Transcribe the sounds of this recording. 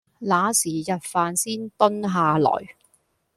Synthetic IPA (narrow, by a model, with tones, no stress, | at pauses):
laː˨˥siː˨˩jɐ˨t̚faː˨nsiː˥nt̪ɵ˥nɦaː˨˧lɔ̰ː˨˩j